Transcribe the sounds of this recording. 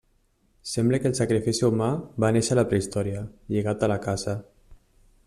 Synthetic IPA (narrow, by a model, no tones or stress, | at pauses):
sɛmbləkəelˠsakɾifisiumabaneʃələpɾeist̪ɔɾiəʎiɣat̪əlakazə